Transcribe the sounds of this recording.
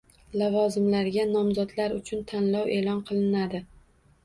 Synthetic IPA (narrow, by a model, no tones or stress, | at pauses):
lavɒzɪmlaɾɡʲanɒmzɒd̪laɾʊt͡ʃʰʊnt̪ʰanlɒwʔe̞lɒnqʰɨlˠɪnad̪ɪ